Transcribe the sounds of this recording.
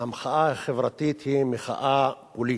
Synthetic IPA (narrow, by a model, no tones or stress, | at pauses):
amχaʔahaχevʁat̪it̪himeχa̰ʔapoli